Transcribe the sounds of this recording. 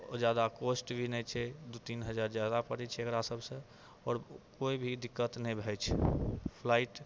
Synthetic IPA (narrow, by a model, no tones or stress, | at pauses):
d͡ʒjad̪akosʈbʱinɛt͡ʃʰɛd̪ot̪inɦəd͡ʒaɾd͡ʒjad̪apəɽɛt͡ʃʰɛekɾasəbʱsə̃ | ɔːɾkoibʱid̪ikːət̪nɛjbʱɛt͡ʃʰpʰlaiʈ